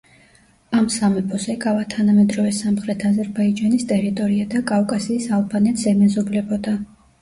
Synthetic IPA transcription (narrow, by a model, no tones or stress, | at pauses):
amsamɛpʰɔzɛɡavat̪ʰanamɛd̪ɾɔvɛsamχɾɛt̪ʰazɛɾbaid͡ʒanist̪ʼɛɾit̪ʼɔɾiad̪akʼavkʼasiːsalˠbanɛt̪ʰzɛmɛzɔblɛbɔd̪a